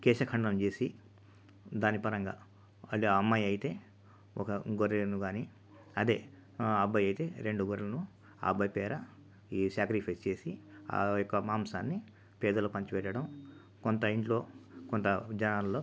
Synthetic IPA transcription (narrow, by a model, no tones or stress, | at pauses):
kɛːʃɐkʰɐɳɖɐnɐmt͡ʃe̞ːsi | d̪aːnipɐɾɐŋɡa̰ː | ɐlːiɐmːɐjɐjit̪e̞ː | ɔkɐɡoɾenuɡaːni | ɐd̪e̞ː | ɐbʱːɐjɐjt̪e̞ːɾeɳɖuɡoɾlɐnu | a̰ːbːɐjpɛːɾɐ | iːsjaːkɾipʰɐjst͡ʃe̞ːsijɔkːɐmaːmsa̰ːnːi | pɛːd̪ɐlopɐɲt͡ʃupɛʈːɐɽɐm | kont̪ɐiɳʈlo̞ːkont̪ɐd͡ʒɐnaːlloː